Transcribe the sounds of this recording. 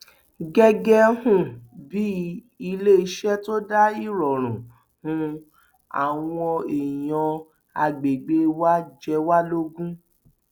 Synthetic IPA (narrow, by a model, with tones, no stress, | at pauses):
ɡɛ˧ɡɛ˦hũ˦˨bi˨˦ | i˧le˦i˧˦ʃɛ˦to˦da˦i˦˨ɾɔ˨ɾ̃ũ˨ | hũ˧ | a̰˨w̃ɔ̃˧e˨jɔ̃˧ | a˧ɡ͡be˨ɡ͡be˦wa˦d͡ʒɛ˧wa˦lo˦ɡũ˦